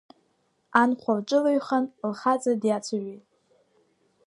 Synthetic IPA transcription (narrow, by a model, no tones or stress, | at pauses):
anqʷʰalʈ͡ʂʼɨlaɥχanlχat͡sʼadjat͡sʷʰaɥejtʼ